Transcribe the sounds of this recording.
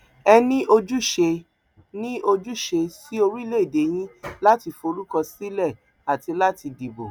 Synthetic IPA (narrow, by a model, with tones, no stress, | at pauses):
ɛ˧nĩ˦ʔo˧d͡ʒu˦ʃe˧ | nĩ˦o˧d͡ʒu˦ʃe˧si˦o˧ɾi˦˨le˦i˦˨de˨˦j̃ĩ˦la˦ti˧fo˧ɾu˦kɔ˧si˦lɛ˦˨ | a˨ti˧la˦ti˧di˨bo˨